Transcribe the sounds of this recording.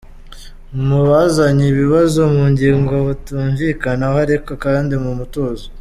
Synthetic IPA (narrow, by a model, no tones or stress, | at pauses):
muβazaɲiβiβazo̞muɲɟiːŋɡoβutuːɱviːkanahaɾekakaaːndimumuto̞ːzo